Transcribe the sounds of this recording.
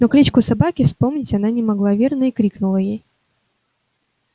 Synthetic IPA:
noklʲit͡ɕkʊsɐbakʲɪfspo̞mnʲɪtʲɐnanʲɪmɐɡlˠavʲe̞rnəikɾʲiknʊlˠəjej

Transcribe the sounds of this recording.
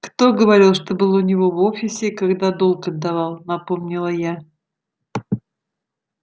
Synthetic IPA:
kt̪o̞ɡəvɐɾʲilˠʂt̪o̞bɨlˠəʊnʲɪvo̞vofʲɪsʲɪkaɡd̪ad̪o̞lˠkɐd̪ːɐvɑlˠnɐpo̞mnʲɪlˠəja

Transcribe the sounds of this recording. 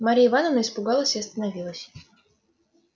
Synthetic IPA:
maɾʲijɪvanəvnəɪspʊɡɑlˠəsʲɪɐst̪ənɐvʲilˠəsʲ

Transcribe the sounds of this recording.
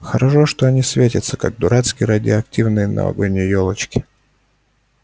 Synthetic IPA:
xəɾɐʂoʂt̪oɐnʲisvʲetʲət̪sə̥kak̚d̪ʊɾat̪skʲɪjɾadʲɪɐktʲivnɨjənə̰vɐ̰ɡo̞nʲɪjjolˠət͡ɕkʲɪ

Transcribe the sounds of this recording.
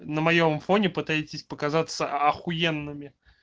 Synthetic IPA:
nəmɐjo̞mfo̞nʲɪpɨt̪ajɪtʲɪsʲpəkɐzat̪səʔɐxʊjenːɨmʲɪ

